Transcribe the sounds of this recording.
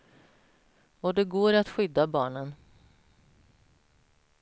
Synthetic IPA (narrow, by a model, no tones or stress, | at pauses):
ɔd̪ɛɡoːɾat̪ɧʏd̪ːabɑːɳən